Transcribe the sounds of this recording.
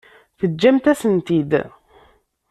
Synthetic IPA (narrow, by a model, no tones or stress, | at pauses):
θəd͡ʒːæmt̪æsənt̪id̪